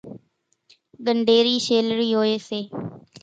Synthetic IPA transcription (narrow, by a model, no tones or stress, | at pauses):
ɠəɳɖeːɾiːʃeːlɾiːɦoːeːseː